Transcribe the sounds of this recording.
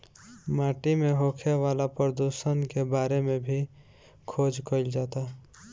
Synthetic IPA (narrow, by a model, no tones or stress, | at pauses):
maːʈimẽɦoːkʰeʋaːlapɾəd̪usənkebaːɾemẽbʱi | kʰoːd͡ʒkəɪld͡ʒaːt̪aɦ